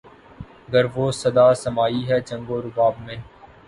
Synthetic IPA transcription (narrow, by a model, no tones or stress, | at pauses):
əɡəɾʋoːsəd̪aːsəmaːiːɦɛːt͡ʃə̃ŋɡoːɾʊbaːbmẽː